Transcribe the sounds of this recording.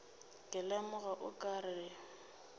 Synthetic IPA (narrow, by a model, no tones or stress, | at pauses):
kʼɪlɛmʊɣaʔʊkʼaɾɪɪ